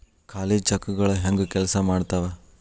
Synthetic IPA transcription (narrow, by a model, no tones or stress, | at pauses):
kaːleːd͡ʒt͡ʃɐkːuɡɐɭuɦɐŋɡukɛlsɐmaːɽt̪aʋe